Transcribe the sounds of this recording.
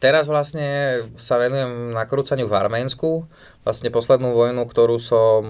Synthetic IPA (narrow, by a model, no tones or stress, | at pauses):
t̪ɛɾazʋlasɲɛsaʋɛnujɛmnakɾuːt͡saɲɪuva̰ɾmɛːnsku | ʋlasɲɛpɔslɛd̪nuːʋɔjnukt̪ɔɾuːsɔm